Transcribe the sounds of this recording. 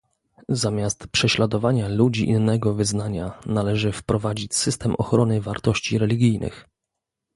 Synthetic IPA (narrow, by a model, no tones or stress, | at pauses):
zamʲjast̪pʂɛɕlad̪ɔvaɲalud͡ʑiʔḭnːɛɡɔvɘznaɲanalɛʐɘfpɾɔvad͡ʑit͡ɕsɘst̪ɛmʔɔxɾɔnɘvaɾt̪ɔɕt͡ɕiɾɛlʲiɡʲijnʔɘ̰x